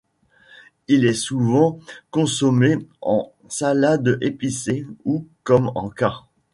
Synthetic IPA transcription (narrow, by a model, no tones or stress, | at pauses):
ilɛsuvɑ̃kɔ̃sɔmeɑ̰̃ | salad̪episeukɔmɑ̰̃ka